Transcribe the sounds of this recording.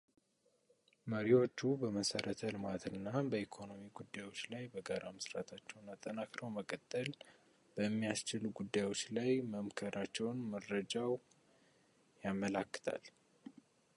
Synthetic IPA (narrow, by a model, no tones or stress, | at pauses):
məɾiwo̞t͡ʃːubəməsəɾət̪ʰəlɨmat̪ʰɨnːabəikʰo̞no̞miɡud̪ːajwo̞t͡ʃːlajbəɡaɾaməsɾat̪ʰat͡ʃːɛwnat̪ʼːənakɾəwməkʼət̪ʼːəl | b̥əmːijast͡ʃɪlɡud̪ːajwo̞t͡ʃːlajməmkʰəɾʔat͡ʃːɛwnməɾəd͡ʒaw | jamːəlakːɨ̥t̪ʰa̰l